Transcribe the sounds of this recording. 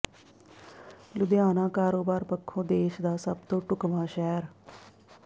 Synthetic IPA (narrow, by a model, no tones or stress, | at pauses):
lʊd̪ɪjaːnãːkaːɾoːbaːɾpəkʰːõːd̪eːʃd̪aːsəb̚t̪õːʈʊkʋaːʃɛːɾ